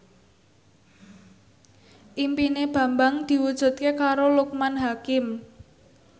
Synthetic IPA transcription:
ʔimpineb̥ä̤mbaŋd̪̥i̤wud̥ʒ̥ṳt̪̚kekaɾoluk̚manɦakɪm

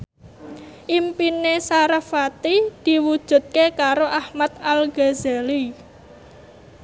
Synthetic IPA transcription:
ʔimpinesaɾəfat̪id̪̥i̤wud̥ʒ̥ṳt̪̚kekaɾoʔahmat̪alɡ̥azali

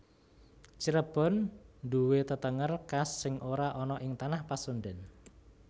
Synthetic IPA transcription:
t͡ʃəɾəb̥ɔ̤nɖuwet̪ət̪əŋərkasːɪŋʔoɾaʔɔnɔʔɪŋt̪anahpasonɖɛn

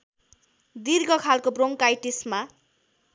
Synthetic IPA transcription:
d̪irɡʌkʰalkobroŋkajʈisma

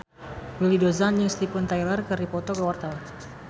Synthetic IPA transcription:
wilidozanjɪŋst̪ipʊnt̪ajlarkəɾipɔt̪ɔkəwart̪awan

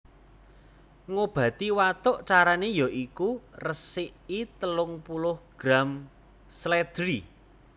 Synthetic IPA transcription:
ŋob̥ä̤t̪iwat̪ʊʔt͡ʃaɾanejɔʔikurəsɪʔit̪əlʊŋpulʊhɡ̥ɾam | slɛd̪̥ɾi

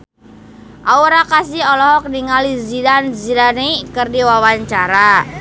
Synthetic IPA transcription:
ʔauɾakasiɔlɔɦɔk̚niŋalizidanzidanikɨrdiwawaɲt͡ʃaɾa

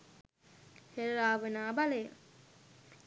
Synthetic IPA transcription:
heɾɾaːʋənaːbalejə

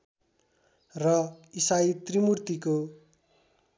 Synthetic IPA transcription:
rʌisait̪rimurt̪iko

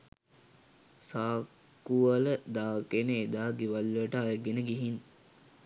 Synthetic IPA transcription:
saː | kuʋələd̪aːkenəed̪aːɡiʋalːʋəʈəalɡenəɡiɦin

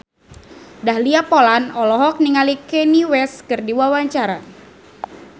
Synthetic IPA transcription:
dahliapolanɔlɔɦɔk̚niŋalikɛniwɛskɨrdiwawaɲt͡ʃaɾa

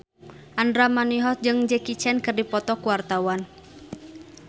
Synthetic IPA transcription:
ʔandɾamaniɦɔt̪̚d͡ʒɨŋd͡ʒɛkit͡ʃɛnkɨrdipɔt̪ɔkuwart̪awan

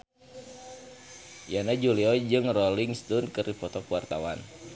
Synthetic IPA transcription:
janad͡ʒuliɔd͡ʒɨŋrɔliŋst̪unkɨrdifɔt̪ɔkuwart̪awan

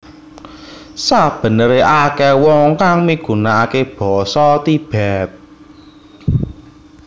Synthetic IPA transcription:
sab̥ə̤nəɾeʔakɛwɔŋkaŋmiɡ̥ṳnaakeb̥ɔ̤sɔt̪ib̥ɛt̪̚

